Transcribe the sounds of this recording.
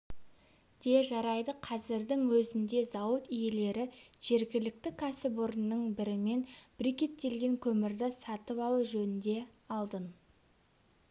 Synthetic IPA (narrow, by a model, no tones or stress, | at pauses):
d̪̥e̞ʒɑɾɑjd̪əqʰɑzɪɾd̪ɪŋwɵzɪnd̪e̞zɑwət̪ijele̞ɾɪʒ̥e̞ɾɡʲɪlɪk̚t̪ɪkʲʰæsɪpoɾənːəɴbɪɾɪme̞nb̥ɾikʲe̞t̪ːe̞lɡʲe̞ŋkʲʰɵmɪɾd̪ɪsɑt̪əpɑlˠuʒɵnɪnd̪e̞ɑlˠd̪ən